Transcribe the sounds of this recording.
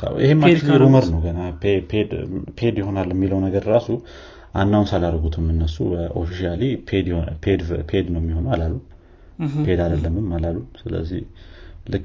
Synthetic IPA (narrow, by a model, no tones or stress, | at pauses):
sa̰wihemːalɾuməɾnəwɡənapʰepʰed̪pʰe̞d̪jɪho̞nalːɛmːiləwnəɡəɾɾasu | ʔa̰nːawnsalaɾəɡut̪ʰɨmːɨnːəsṵbəʔo̞̰fiʃalipʰed̪pʰed̪pʰed̪nəwmːiho̞nalalːum | pʰe̞d̪ad̪əlːəmɨmːalalːumsɨlə̰zːihlɨkʼː